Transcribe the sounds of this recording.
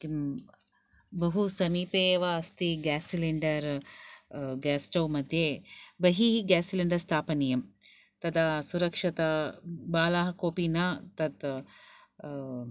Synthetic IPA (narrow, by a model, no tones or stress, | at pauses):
i | bɐɦusɐmiːpeːʋɐːst̪iɡaːsiliɳɖɐɾ | ɡaːsʈɐwmɐd̪ʱjebɐɦiːɦiɡaːsiliɳɖɐɾst̪ʰaːpɐnijɐm | t̪ɐd̪ɐsuɾɐkʂɐt̪ɐbaːlaːɦɐkoːpinɐt̪ɐt̪